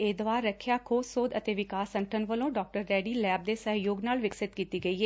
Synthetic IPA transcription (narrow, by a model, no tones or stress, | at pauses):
eːd̪oaːɾːəkʰːjaːkʰoːsoːd̪ət̪eːʋɪkaːsə̃ɳʈʰənʋəlõːɖɔːk̚ʈəɾːɛːɖiːlɛːb̚d̪eːsəɦjoːɡnaːlʋɪksɪt̪kiːt̪iːɡəiːɦeː